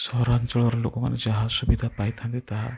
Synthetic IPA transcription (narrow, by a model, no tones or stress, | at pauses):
sɔɾant͡ʃɔɭɔɾɔlokɔma̰ned͡ʒaɦasubid̪ʱapajt̪ʰant̪et̪aɦa